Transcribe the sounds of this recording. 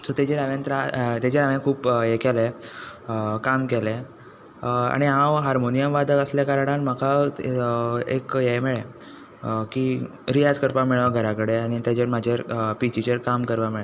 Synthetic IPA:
sɔt̪ed͡ʑeɾaʋẽnt̪ɾat̪ad͡ʑeɾaʋẽkʰuːpjekɛle | kamkele | a̰ɽ̃iɦãwɦaɾmonijəmʋad̪ʱəkəsljakaɾaɽalm̤aka | ḛkjemeɭe | ki | ɾijad͡zkəɾpamiɭʋaɡʱəɾakəɽeaɽ̃it̪jad͡ʑeɾmad͡ʑʱaɾpit͡ɕit͡ɕəɾkamkəɾpamiɭa

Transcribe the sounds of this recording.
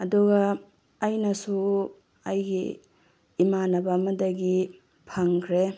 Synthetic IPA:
ɐduɡɐː | jnɐsu | ɐjɡḭː | manɐbɐmɐdɐɡi | pʰaŋkʰɾe

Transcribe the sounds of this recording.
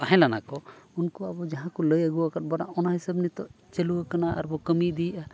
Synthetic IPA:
aɦɛ̃lana̰kɔunkɔabɔd͡ʒaɦãkɔləjəɡuwakaʈ̚bɔɽaɔnaɦisabnit̪ɔ | t͡ʃeluwakanaa̰ɾbɔkəmid̪iʔa

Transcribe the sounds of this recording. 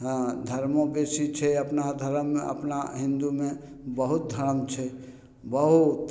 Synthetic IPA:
d̪ʱəɾmobesit͡ʃʰɛəpnad̪ʱəɾəmːḛ̃ə̰pnaɦɪ̃nd̪umẽ | bəɦut̪̚d̪ʱəɾəmt͡ʃʰɛ | bəɦut̪

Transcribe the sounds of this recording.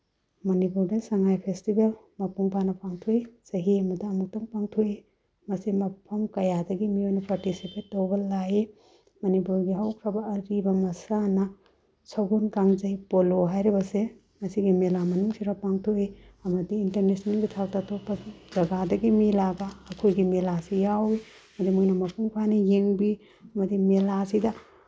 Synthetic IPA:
mɐnipuɾdɐsɐŋajpʰestibelmɐpuŋbanɐpʰaŋtʰujsɐɦiɐmɐdɐːmuk̚tɔŋpaŋtʰui | mɐsimɐpʰɔmkɐjadɐɡimiojnɐpaɾtisipʰetːowbɐlaji | mɐnipuɾɡiɦɐwkʰɾabɐːɾibɐmɐsanɐ | sɐɡunkaŋd͡ʒɐjpoloɦajɾibɐse | mɐsiɡimelamɐnuŋsiɾapaŋtʰoiɐmɐdiːntɐɾnesnɐnɡitʰawtatʰopːɐd͡ʒɐɡadɐɡimilaɡaːkʰojɡimelasijawiɐmɐdimujnɐmɐpʰuŋpʰanijeŋbi | ɐmɐdimelasidɐ

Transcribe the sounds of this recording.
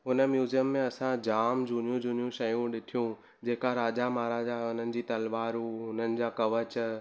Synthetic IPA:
ɦʊnə̆mjuːzijəmːẽɐsãd͡ʑaːmd͡ʑʱuːnijũd͡ʑuːnijũʃɐjũɗɪʈʰijũ | d͡ʑeːkaɾaːd͡ʑamaːɾad͡ʑaʊn̤ənɪ̆d͡ʑiːt̪ɐlʋaːɾuʊn̤ənɪ̆d͡ʑaːkɐʋət͡ɕ

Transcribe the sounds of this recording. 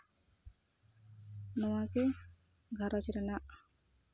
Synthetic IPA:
nɔwake | ɡʱaɾɔt͡ʃiɾanaʔ

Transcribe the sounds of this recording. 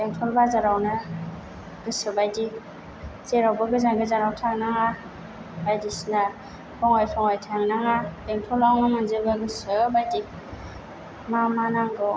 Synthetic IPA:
beŋtʰɔlbazaɾawnɯ | ɡ̥ɯsɯbajdi | zeɾawbaɡɯzaŋɡɯzaɾawtʰaŋnaŋa | bajdisna | pʰɔŋɔjtʰɔŋɔjtʰaŋnaŋab̥eŋtʰɔlawnamanzebaɡɯsɯbajdi | mamanaŋɡɯ

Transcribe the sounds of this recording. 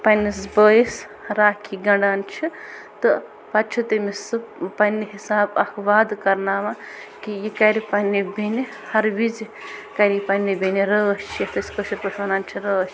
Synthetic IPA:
pɐnisbəjis | ɾaːkʰiɡɐɳɖaːnt͡ʃʰit̪ɨ | pɐt͡ʃʰut̪ɨmisɨpɐnːiɦisaːbɐkʰʋaːd̪kɐɾnaːma | kijikɐɾipɐnːibini | hɐɾʋizkɐɾipɐnːibiniɾəːst͡ʃʰijɐt̪ɐsʲkəʃiɾpət͡ʃʰʋɐnaːnt͡ʃʰiɾəːst͡ʃʰi

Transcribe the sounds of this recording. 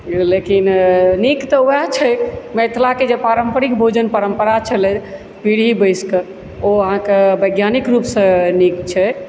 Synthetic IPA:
lekinnikt̪ɔuat͡ʃʰɛmet̪ʰlaked͡ʒepaɾəmpəɾikbʱod͡ʒənpəɾəmpəɾat͡ʃʰəlɛ | piɽ̤ibəjskə | oəɦãkebəɡjanikɾupsə̃nikt͡ʃʰɛ

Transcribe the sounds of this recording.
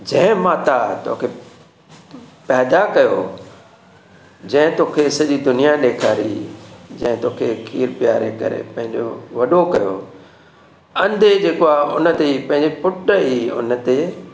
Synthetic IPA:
d͡ʑɐ̃ɦɪ̃mãːt̪at̪o̰ːkʰe | pɛːd̪akɐjo | d͡ʑɐ̃ɦɪ̃t̪oːkʰesɐʄid̪ʊnijaɗeːkʰaːɾḭd͡ʑɐ̰̃ɦɪ̃t̪oːkʰekʰiːɾpjaːɾḛkɐ̰ɾḛpɐ̃ɦɪ̃ɲd͡ʑo̰ʋɐɗokɐjo | ɐ̃nd̪ʱed͡ʑeːkoaʊnə̆t̪eipɐ̃ɦɪ̃ɲd͡ʑepʊʈəiʊ̰nət̪e

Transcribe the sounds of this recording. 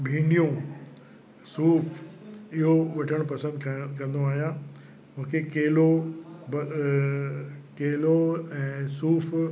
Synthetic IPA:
bʱĩːɳɖijũ | suːpʰɪɦoʋɐʈʰəɽ̃pɐsə̃nd̪kɐ̃n̆d̪oaːɦijã | mʊ̃ɦkʰekeːlob | keːloɛ̃ːsuːpʰ

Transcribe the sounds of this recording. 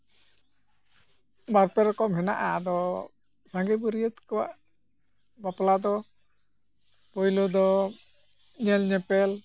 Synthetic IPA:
baɾpɛɾɔkɔmɦɛna̰ʔa̰d̪ɔ | saŋɡɛbuɾijət̪kɔwaʔ | baplad̪ɔ | pɔjlɔd̪ɔ | ɲɛlɲɛpɛl

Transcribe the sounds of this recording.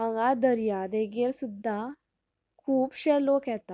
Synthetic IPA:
əɡad̪əɾjad̪eɡeɾsud̪ʱːa | kʰuːpɕɛlokjɛt̪a

